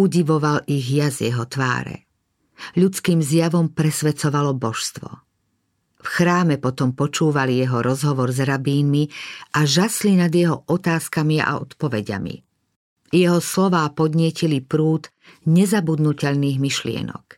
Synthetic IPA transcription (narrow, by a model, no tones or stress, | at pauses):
uɟiʋɔʋaliɣjazjɛɦɔt̪ʋa̰ːɾɛ̰ | ʎut͡skiːmzjaʋɔmpɾɛsʋɛt͡sɔʋalɔbɔʃst̪ʋɔ̰ | fxɾaːmɛpɔt̪ɔmpɔt͡ʃuːʋalijɛɦɔɾɔzɦɔʋɔɾzɾabiːnmiʔaʒaslinad̪jɛɦɔʔɔt̪aːskamia̰ɔ̰t̪pɔʋɛɟa̰mḭ | jɛɦɔslɔʋaːpɔd̪ɲɪɛcilipɾuːt̪ | ɲɛzabud̪nucɛʎniːɣmiʃlɪɛ̰nɔ̰k